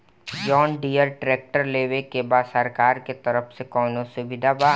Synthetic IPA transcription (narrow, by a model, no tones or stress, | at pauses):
jɔːnɖiːəɾʈɾeːk̚ʈəɾleːʋekebaːsəɾkaːɾket̪ɐɾəfsekɔːnõsʊbɪd̪ʱaba